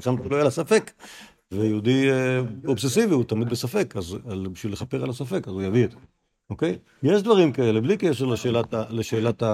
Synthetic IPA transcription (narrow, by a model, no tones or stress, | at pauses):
ʃamtuloalasafe̞k | vejeud̪i | obsesiviut̪amid̪besafe̞kazalbiʃvilːeχape̞ʁalasafe̞kazujaviet̪ | okej | jeʃd̪vaʁimkae̞leblikeʃeʁleʃelataleʃe̞ːlat̪a